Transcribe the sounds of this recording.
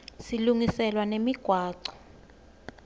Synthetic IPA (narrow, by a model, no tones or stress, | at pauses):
siluŋisɛlwanemiɡ̥ʱwaːǀɔ̥